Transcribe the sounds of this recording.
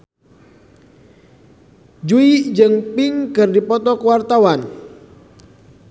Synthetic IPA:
d͡ʒuid͡ʒɨŋpɪŋkɨrdipɔt̪ɔkəwart̪awan

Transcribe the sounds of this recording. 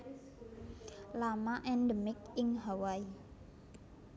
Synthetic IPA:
lamaʔɛndəmɪk̚ɪŋɦawai

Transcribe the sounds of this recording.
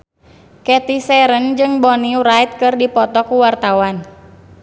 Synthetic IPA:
kɛt̪isɛɾənd͡ʒɨŋbɔniuɾait̪̚kɨrdipɔt̪ɔkuwart̪awan

